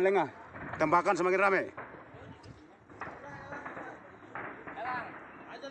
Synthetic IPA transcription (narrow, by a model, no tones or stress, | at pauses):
lɛŋat̪əmbakansəmakɪnramɛ